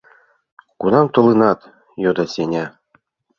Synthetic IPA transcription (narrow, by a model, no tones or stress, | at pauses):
kunɑmt̪ŏlˠɨnɑt̪ | jod̪ɑsʲenʲæ